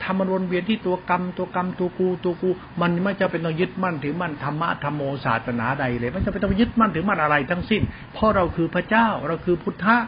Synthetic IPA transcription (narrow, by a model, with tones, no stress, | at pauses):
t̪ʰa˧mːa˧nbo˧nwi˧ənt̪ʰiː˥˩t̪u˧ɐka˧mt̪u˧ɐka˧mt̪u˧ɐkuː˧t̪u˧ɐkuː˧ | ma˧nma˦˥˩t͡ɕa˧˩pe˧nt̪ɔ˧˩ŋjɯ˦˥t̪̚ma˥˩nt̪ʰɯː˩˦ma˧˥˩nt̪ʰa˧mːa̰˦˥ʔt̪ʰa˧mːoː˧sa̰ː˨˩t̪̚sa˧naː˩˦da˧jlɤː˧jma˧˥˩t͡ɕa˧˩pe˧nt̪ɔ˥˩ŋjɯ˦˥t̪̚ma˥˩nt̪ɯː˩˦ma˥˩nʔa˧ɾa˧jt̪ʰa˦˥˩ŋsi˥˩n | pʰɔ˦˥ɾa˧wkʰɯː˧pʰɾa˧˥t͡ɕaː˥˩wɾa˧wkʰɯː˧pʰu˦˥t̪ʰːa˦˥ʔ